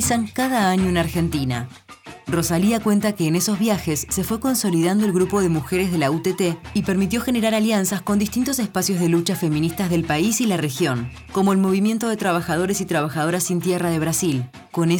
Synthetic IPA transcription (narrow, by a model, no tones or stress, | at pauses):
saŋkaðaaɲo̞enaɾxe̞nt̪ina̰ | ro̞saliakwe̞nt̪ake̞ːne̞so̞zβ̞jaxe̞sːe̞fwe̞ko̞nso̞lið̞and̪oelɣɾupo̞ð̞e̞muxe̞ɾe̞zð̞e̞laut̪et̪eipeɾmit̪jo̞xe̞ne̞ɾaɾaljansasko̞nd̪ist̪int̪o̞s̬e̞spasjo̞zð̞e̞lut͡ʃafe̞mĩnist̪azðe̞lpaisilare̞xjo̞ŋ | ko̞mo̞elmo̞βimje̞nt̪o̞ðe̞t̪ɾaβ̞axað̞o̞ɾesit̪ɾaβaxaðo̞ɾasːint̪jeraðe̞β̞ɾasil | ko̞ne